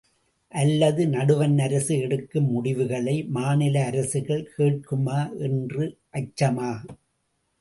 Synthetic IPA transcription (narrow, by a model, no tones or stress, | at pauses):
ʔɐlːɐðɯnɐɽɯʋɐnɐɾɐsɯɛɽɯkːɯmːʊɽɪʋɯɣɐɭɐɪmaːnɪlɐːɾɐsɯɣɐɭkeːʈ̚kɯmaːʔɛndrɯʔɐt͡ʃːɐmaː